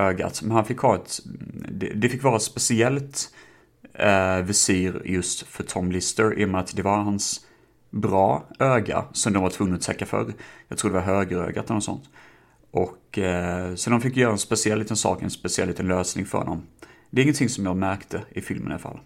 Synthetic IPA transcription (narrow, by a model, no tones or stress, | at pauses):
øːɡa̰t̪mɛnhanfɪkːhɑːɛt̪d̪ɛd̪ɛfɪkːvɑːɾaspɛsɪɛlt̪ | vɪsiːɾjɵst̪fœʈʰɔmlɪst̪əɾɪ̰ːmɛat̪d̪ɛvaɾhans | bɾɑːʔøːɡa̰sɔmd̪ɔmvaʈʰvɵŋːaɔt̪ʰɛkːafœ̰ɾjɑɡt̪ʰɾuːɖ̪ɛvaɾɦøːɡəɾø̰ːɡat̪ɛlnɔt̪sɔ̰nt̪ | ʔɔkː | sɔd̪ɔmfɪkːjœːɾaɛnspɛsɪɛlːiːt̪ənsɑ̰ːkɛnspɛsɪɛlːiːt̪ənløːsnɪŋfœ̰ɾhɔ̰nːɔ̰md̪ɛɾɪŋənt̪ʰɪŋsɔmjɑːɡmæɾkt̪ʰəɪfɪlməna̰fa̰lː